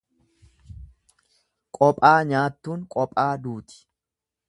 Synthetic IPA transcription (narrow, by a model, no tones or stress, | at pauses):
kʼɔpʼaːɲaːt̪ːuːŋkʼɔpʼːaːd̪uːt̪ɪ̥